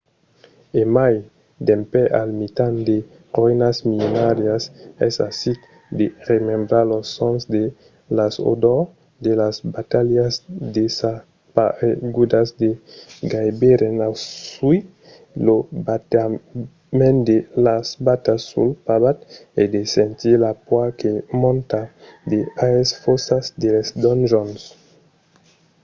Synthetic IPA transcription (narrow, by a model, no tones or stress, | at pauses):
emaj | d̪empɛʔalmit̪and̪e | ɾɔjnasmionaɾjasɛsa̰sit̪ | d̪eɾemembɾalosːɔnsd̪e | laso̰d̪ɔ | d̪elasbat̪aljasd̪esa | paeɡud̪asd̪eɡajbeɾenasui | lobat̪a | mẽnd̪elasbat̪asːṵlpaβat̪ed̪esẽnt̪ilapwakemɔ̃nt̪ad̪eaesfosasd̪elesd̪ɔnʒɔns